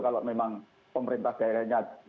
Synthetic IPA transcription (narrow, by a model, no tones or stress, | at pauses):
kaloʔmemaŋ | pəməɾint̪ahd̥aiɾaɲat̪̚